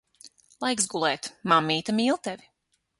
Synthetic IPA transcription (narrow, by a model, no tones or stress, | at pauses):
lˠajksɡulˠɛːt̪mamːiːt̪amiːlˠt̪ɛvʲi